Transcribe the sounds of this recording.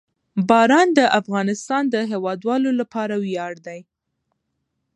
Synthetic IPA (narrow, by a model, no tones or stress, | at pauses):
bɑɾɑnd̪əʔafɣɑnɪst̪ɑnd̪əɦewɑd̪wɑlolapɑɾawjɑɽd̪aj